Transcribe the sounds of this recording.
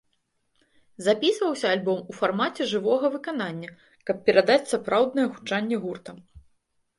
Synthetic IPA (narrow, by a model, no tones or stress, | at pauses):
zapʲisvɐwsʲɐːlʲbɔmufarmat͡sʲɛʐɨvɔɣɐvɨkan̪anʲːɐ | kɐp̚pʲɛɾad̪at͡sʲsapɾawd̪nɐjɛxu̥t͡ʂanʲːɛɣurt̪ɐm